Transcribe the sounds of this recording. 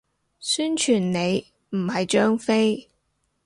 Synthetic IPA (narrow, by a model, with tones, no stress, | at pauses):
syː˥nt͡ʃʰyː˨˩nne˨˧j | m̩˨˩hɐ˨jt͡ʃœː˥ŋfe˥j